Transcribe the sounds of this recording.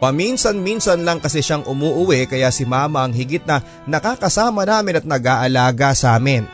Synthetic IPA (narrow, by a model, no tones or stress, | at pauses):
pɐminsɐnminsɐnlɐŋkɐsɛʃaŋʔʊmuːʔʊwɛkɐjasɪmaːmɐʔɐŋhɪɡɪt̪̚nɐ | nɐkaːkɐsaːmɐnaːmɪnɐt̪̚nɐɡaːʔɐlaːɡɐsaːmɪn